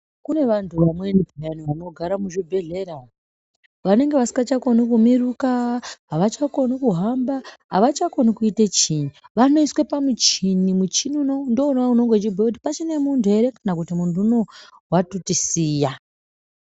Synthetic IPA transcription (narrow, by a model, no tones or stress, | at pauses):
kune̞ʋantʰuʋamwe̞nipijaniʋano̞ɡʱaɾamuʐibʱe̞ɮe̞ɾa | ʋane̞ŋɡe̞ʋasi̥ŋɡat͡ʃako̞nikumiɾukaɦaʋat͡ʃako̞nikuɦambaɦa̰ʋat͡ʃako̞nikuitet͡ʃiɲuʋano̞iswepamut͡ʃinimut͡ʃinunondounauno̞ŋɡe̞t͡ʃibʱakut̬i̥pat͡ʃine̞muntʰue̞ɾekanakutimuntuno̞ | watotisiːja